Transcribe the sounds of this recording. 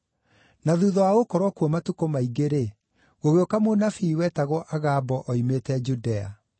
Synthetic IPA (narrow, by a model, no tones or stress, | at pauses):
naðuːðɔwaɣokɔɾwɔkwɔmatukomaiɡeɾe | ɣoɣeokamonafiwɛtaɣɔʔaɣabɔʔɔimetɛd͡ʒudɛa̰